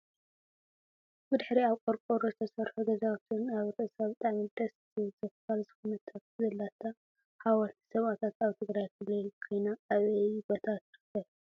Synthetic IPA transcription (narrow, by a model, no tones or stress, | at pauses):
bɨd̪ɨħɾiaβkʼoɾkʼoɾost̪ʰɐsɐɾħuɡɐzawt̪ʰɨnaβɾɨʔɨsaβt̪ʼaʕmid̪ɐs | zɐffalzɨxunɐt̪ʰatzɐlːat̪ʰːa | hawɐlt̪ʰi̥sɐβat̪ʰat̪aβt̪ʰɨɡɾajkʰɨlokʰojnaːβebot̪ʰat̪xɨkɐl